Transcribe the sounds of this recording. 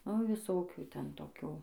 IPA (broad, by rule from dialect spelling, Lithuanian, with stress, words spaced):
nʊ ʋʲɪˈsoːkʲuː ˈtʲɛn toːˈkʲuː